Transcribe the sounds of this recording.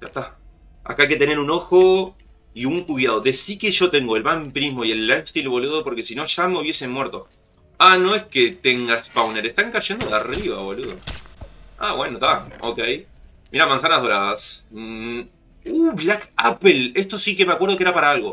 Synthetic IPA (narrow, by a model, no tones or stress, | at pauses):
ʃa̰t̪a | a̰kajke̞t̪e̞ne̞ɾuno̞xo | iuŋkuβjað̞od̪e̞sikeʒo̞t̪e̞ŋɡo̞elmampɾizmo̞ie̞lːajst̪ilβo̞luðopo̞ɾke̞sino̞ʃameouβje̞se̞nmwe̞ɾt̪o̞ | ano̞esket̪eŋɡaspawneɾest̪aŋkaʒe̞nd̪oðeariβa̰βo̞luðo̰ | a̰βwe̞not̪ao̰kej | miɾamãns̬anazð̞o̞ɾaðas | uβlakapele̞st̪o̞sikemakweɾð̞okeɾapaɾaalɣo̞